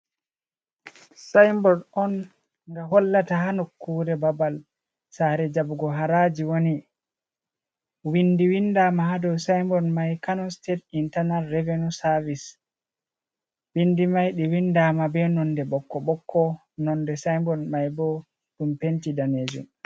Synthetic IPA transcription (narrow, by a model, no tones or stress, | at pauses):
sajmbɔdɔn | ŋɡahɔlːataɦanokːuːɾɛbabal | saɾɛd͡ʒabuɡɔɦaɾad͡ʒiwoni | windiwindamahadɔwsajmbɔnmajkanɔstet̚intanalːɛvenusavis | winːdimajɗiwindaːmabɛnɔndɛɓɔkːɔɓɔkʰːɔ | nɔndɛsajmbɔnmajbɔ | ɗumpentidaneːd͡ʒṵm